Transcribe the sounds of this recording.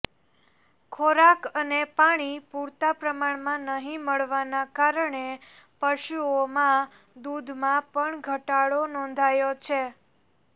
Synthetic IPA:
kʰoɾakənepaɽ̃ipuɾt̪apɾəmaɳmãnəɦĩməɭʋanakaɾəɳe | pəʃuomã | d̪ud̪ʱmãpəɳɡʱəʈaɭonɔ̃nd̪ʱajot͡ʃʰe

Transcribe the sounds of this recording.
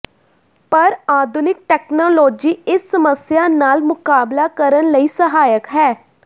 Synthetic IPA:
pəɾaːd̪ʱʊnɪk̚ʈɛːknoːloːd͡ʒiːɪsːəməsjaːnaːlmʊkaːblaːkəɾənləiːsəɦaːjəkɦɛː

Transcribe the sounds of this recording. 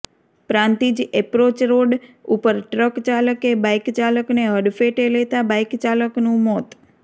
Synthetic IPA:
pɾãnt̪id͡ʒepɾot͡ʃɾoɖupəɾʈɾəkt͡ʃaləkebajkt͡ʃaləkneɦəɖfeʈelet̪abajkt͡ʃaləknũmɔt̪

